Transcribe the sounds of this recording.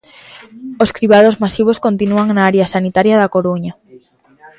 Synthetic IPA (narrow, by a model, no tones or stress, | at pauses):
oskɾiβaðozmasiβ̞oskont̪inuaŋnaaɾjasanit̪aɾjaðakoɾuɲa